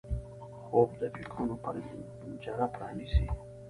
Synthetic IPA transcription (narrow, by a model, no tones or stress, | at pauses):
xob̚d̪apikʰunopʰa̰ɾ | d͡ʒaɾapɾɑːnisi